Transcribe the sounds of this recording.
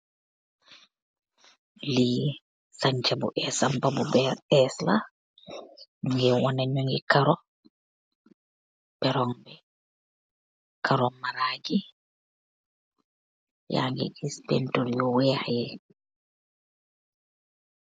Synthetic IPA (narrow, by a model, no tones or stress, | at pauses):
li | saɲt͡ʃabṵʔɛsampabubɛɛsla̰ | uŋɡɛwɔnaɲoŋɡikaɾɔ | b̥ɛɾɔŋbɛ | kʰaɾɔmaɾad͡ʒi | ja̰ŋɡɛ̰ʔispɛntoljɔwɛhajɛ